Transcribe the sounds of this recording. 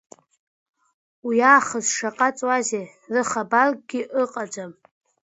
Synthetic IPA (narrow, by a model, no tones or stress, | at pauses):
wiaːχəzʂaqʼat͡sʼwaze | rɨχabalɡɡʲiʔɨqʼad͡ʒam